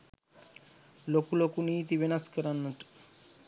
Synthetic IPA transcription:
lokulokuniːt̪iβenaskəɾanːuʈ

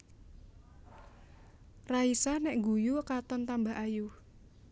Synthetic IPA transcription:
raisanɛʔŋɡujukat̪ɔnt̪amba̤ɦʔaju

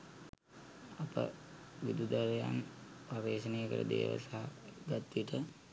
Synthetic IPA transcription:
apə̰ | ʋid̪ud̪aɾjampaʋeːsənejəkəɾəd̪ḛːʋə̰saɦaɡat̪ʋiʈə

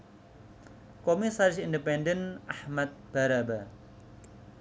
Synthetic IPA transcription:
komisaɾɪsindipɛndənʔahmat̪̚b̥aɾaba

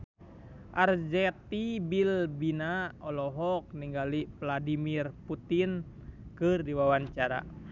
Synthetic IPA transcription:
ʔard͡ʒɛt̪ibilbinaɔlɔɦɔk̚niŋɡalipladimirput̪in | kɨrdiwawaɲt͡ʃaɾa̰

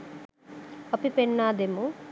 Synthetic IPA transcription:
ɐpipenːaːd̪emu

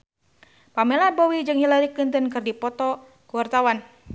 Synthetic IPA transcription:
pamɛlabowid͡ʒɨŋhilaɾiklint̪ənkɨrdipɔt̪ɔ | kuwart̪awan

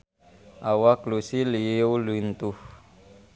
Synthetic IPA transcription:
ʔawaklusiliolunt̪uh

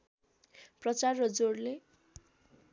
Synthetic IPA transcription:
prʌt͡sarːʌd͡zorle

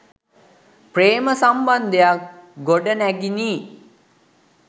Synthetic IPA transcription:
preːməsamband̪ejakɡoɖənæɡiniː

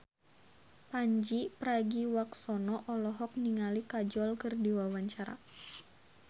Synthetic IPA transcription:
paɲd͡ʒipɾaɡiwak̚sɔnɔʔɔlɔɦɔk̚niŋalikad͡ʒɔlkɨrdiwawaɲt͡ʃaɾa̰

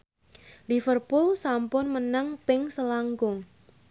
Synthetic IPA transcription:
lifərpʊlsampʊnmənaŋpɪŋsəlaŋɡʊŋ

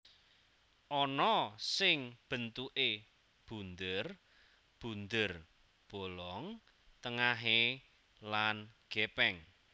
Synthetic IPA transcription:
ʔɔnɔsɪŋb̥ə̤nt̪uʔe | b̥ṳnd̪ər | b̥ṳnd̪ər | b̥o̤lɔŋ | t̪əŋaɦe | lanɡ̥ɛpɛŋ

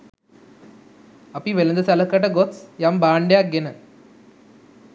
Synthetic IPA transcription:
ɐpiʋelɐnd̪ɐsalɐkːɐʈːɐɡot̪sjambaːɳɖjaɡenɐ

